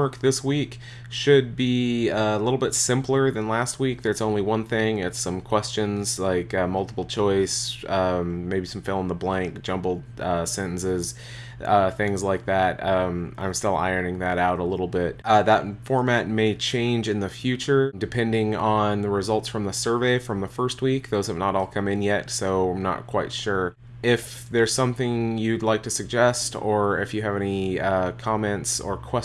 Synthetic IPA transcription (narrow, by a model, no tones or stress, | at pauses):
ɜ˞k̚ðɪswik | ʃɨd̚biʌəlɪɾl̩ˠbɪtsɪ̃mplˠə˞ðɨ̃nlæst̚wik̚ðə˞zõʊ̃nliwʌ̃nθɪ̃ŋɪtsʌ̃mkʰw̥ɛst͡ʃɨ̃nz̥laɪkʌmʌlˠtə̥pl̩ˠt͡ʃʰɔɪsʌ̃mːeɪbisʌ̃ɱfɪlˠə̃n̩ðəblæ̃ŋk̚d̥ʒ̥ʌ̃mbl̩ˠd̥̚ʌsɛ̃ɾ̃n̩sɪz̥ | ʌθɪ̃ŋzlaɪk̚ðæt̚ʌ̃mã̰ɪ̃mstɪlˠa̰ɪə˞nɪ̃ŋðɨɾaʊɾəlɪɾl̩ˠbɪt̚ʌðət̚fɔɹmæt̚meɪt͡ʃʰẽɪ̃nd͡ʒɨ̃nðɨfjʉt͡ʃə˞dɨpʰɛ̃ndɪ̃ŋə̃nðəɹɨzʌlˠtsfɹʌ̃mðəsɜ˞veɪfɹʌ̃mðəfɜ˞st̚wikðoʊz̥ɨvnəɾɔlˠkʰʌ̃mɨ̃njɛtsoʊãɪ̃mnə̰t̚kʰw̥aɪtʃʊɹ | ɪf | ðə˞z̥sʌ̃mθɪ̃ŋjɨdˡlaɪk̚tʰɨsɨɡ̚d͡ʒɛstə˞ɪfjɨːvɛniʌkʰɑmɛ̃ntsə̰˞kʰw̥ɛ